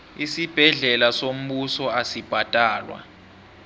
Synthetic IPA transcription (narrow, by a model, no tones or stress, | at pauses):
isib̥ʱɛɮɛlasom̩ɓusɔasib̥ʱatʼaːlwa̰